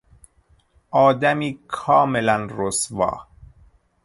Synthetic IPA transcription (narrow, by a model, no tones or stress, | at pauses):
ʔɒːd̪æmiːkʰɒːmelænɾosvɒ̰ː